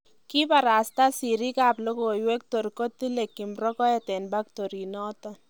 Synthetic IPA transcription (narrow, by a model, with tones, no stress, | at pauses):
ki˦pa˨ɾa˨st̪a˦si˨ɾi˦ka˨plo˦ko˨jwe˦k̚to˨rko˦t̪i˦le˨kːi˨mrɔ˦kɔ˦jɛ˦˨t̪ɛ˨nba˦k̚t̪o˨ɾi˨nɔ˦t̪ɔ˨